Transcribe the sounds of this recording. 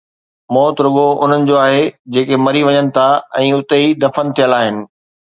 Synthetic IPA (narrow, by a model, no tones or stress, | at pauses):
mɔːt̪ɾʊɠoʊn̤ənɪ̆d͡ʑoːaːɦed͡ʑeːkemɐɾiʋɐɲənɪ̆t̪ʰaɛ̃ːʊt̪eid̪ɐfənɪ̆t̪ʰijəlaːɦɪnɪ̆